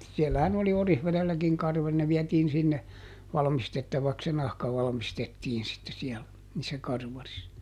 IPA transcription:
sielːæhæn oli orihʋelelːækiŋ kɑrʋɑli ne ʋiɛtiːn sinːe ʋɑlmistetːɑʋɑks se nɑhkɑ ʋɑlɑ̆mistetːiːn sitːe siɛl niːsːæ kɑrʋɑris

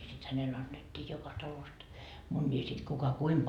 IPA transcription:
sit hænel ɑnːetːiː jokɑ tɑlost munʲːiː sit kukɑ kuim

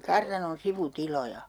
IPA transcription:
kɑrtɑnon siʋutilojɑ

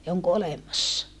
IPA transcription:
jɑ oŋko olemɑsːɑ

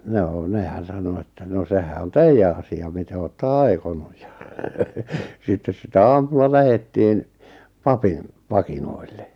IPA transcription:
noː nehæn̞ sɑno etːæ no sehæ on teijːæ ɑsiɑ mite oːtːɑ ɑi̞konuj jɑ sitːes sitæ ɑːmulːɑ læhetːiːn pɑpin pɑkinoilːe

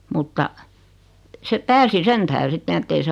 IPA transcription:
mutːɑ se pæːsi sen tæhre sitːen etːei se

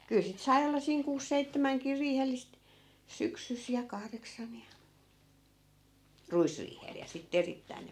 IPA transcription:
kyl sit sɑi̯ olːɑ siːŋ kuːs seitːæmæŋkir riːhelːist syksys jɑ kɑhreksɑn jɑ ruisriːhel jɑ sitːe eritːæin ne

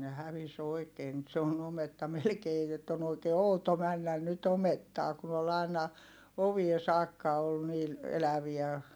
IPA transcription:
ne hæʋis oi̯keː nyt se on ometːɑ melkeː jotː on oikeː outo mænːæn nyt ometːɑː kun ol ɑˑi̯nɑ oʋie sɑːkːɑ ol niːl elæʋiæ

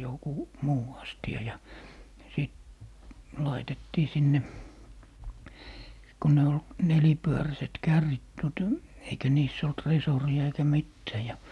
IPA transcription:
joku muː ɑstiɑ jɑ siˑt lɑitetːiː sinːe ko ne ol nelipyøræset kærːit d̥uotɑ eikæ niːsː olt resoriɑ eikæ mitːæː jɑ

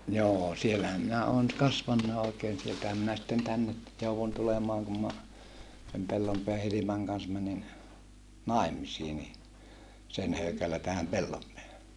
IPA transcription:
joː sielːæhæm minæ oːn kɑsʋɑnːɑːʔ ʔoˑikeːn sieltæhæm minæ sitːen tænːe jouʋun tulemɑːŋ kum mɑ sem pelːompeæ hilimɑŋ kɑns mænin nɑˑi̯misiː ni sen høykælːæ tæhæm pelːompeæhæ

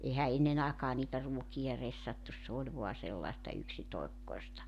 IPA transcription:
ehæ enːen ɑˑekɑː niːtæ ruokiɑ resːɑtːus s oːlʲ ʋo̝ɑ selːɑĕstɑ yksitoekːoestɑ

